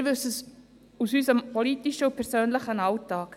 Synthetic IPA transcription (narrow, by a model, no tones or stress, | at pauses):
ɾvʏsəs | usyːsəmpʰɔliːtiʃəʊpʰɛɾsøːnləχənɑltːɑːk